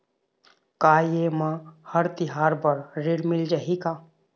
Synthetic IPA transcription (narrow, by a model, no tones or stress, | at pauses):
kajemãhəɾt̪ɪɦaːɾbəɾɾeɾmɪld͡ʒaɦika